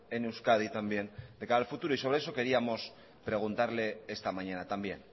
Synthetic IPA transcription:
ene̞wskað̞it̪ambje̞nd̪e̞kaɾalfut̪uɾoiso̞β̞ɾe̞eso̞ke̞ɾiamo̞s | pɾe̞ɣ̞unt̪aɾle̞est̪amaɲanat̪ambjen

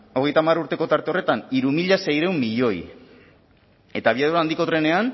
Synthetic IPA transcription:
o̞ɣe̞jt̪amaɾuɾt̪e̞ko̞t̪aɾt̪e̞o̞re̞t̪aniɾumiʎase̞jɾe̞umːiʎo̞j | e̞t̪aβ̞iaðuɾaːnd̪iko̞t̪ɾe̞ne̞an

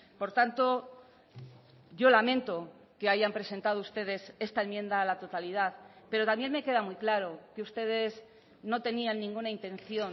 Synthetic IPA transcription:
po̞ɾt̪ant̪o̞ | ʝo̞lamẽ̞nt̪o | ke̞aʝampɾese̞nt̪að̞oust̪e̞ðe̞se̞st̪aenmje̞nd̪aːlat̪o̞t̪alið̞aθpe̞ɾo̞t̪amje̞nme̞ke̞ð̞amujklaɾo̞keust̪e̞ð̞e̞z | no̞t̪e̞nianːĩŋɡunaint̪ẽ̞n̟θjo̞n

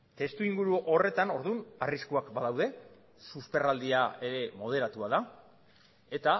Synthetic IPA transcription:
t̪e̞st̪uiŋɡuɾuʔo̞re̞t̪ano̞ɾðunariskuakbaðawðe̞ | suspe̞rald̪iae̞ɾe̞mo̞ð̞e̞ɾat̪uaða | e̞t̪a

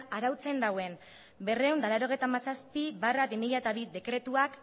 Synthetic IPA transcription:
aɾawt͡se̞nd̪awe̞n | be̞rewnd̪alaɾo̞ɣ̞ejt̪amasaspiβarabimiʎaet̪aβid̪e̞kɾe̞t̪uak

